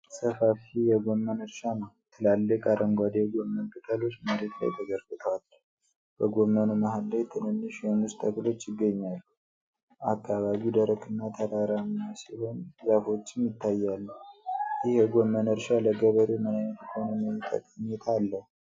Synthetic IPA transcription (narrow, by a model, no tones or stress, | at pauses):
səfafijɛɡo̞mːənəɾʃanəwt̪ʰɨlalːəkʼaɾəŋɡʷad̪ejɡo̞mːənkʼɨt̪ʰʼəlo̞t͡ʃːməɾe̞t̪la̰jt̪ʰəɡəɾɡɨt̪ʰəwal | b̥əɡo̞mːənumaɦalːajt̪ʰɨnɨnːɨʃjɛnɨst̪ʰəklo̞t͡ʃːjɪɡːəɲːalːu | akʰːaβaβid̪əɾəkʼɨnːat̪ʰəɾaɾamasiho̞nzəfo̞t͡ʃːɪnjɪt̪ʰːajːalːəjɪhjɛɡo̞mːənəɾʃaləɡəβəɾemannət̪konəməjt̪ʰə̰kʼəɲːɛt̪ʰalːəhu